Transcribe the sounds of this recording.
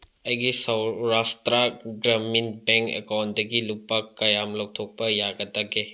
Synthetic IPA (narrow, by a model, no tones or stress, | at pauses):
ɐjɡisɐwɾastɾaɡɾaminbeŋkḛkawndɐɡilupːɐkːɐjamlow̚tʰok̚pɐjaɡɐtɐɡe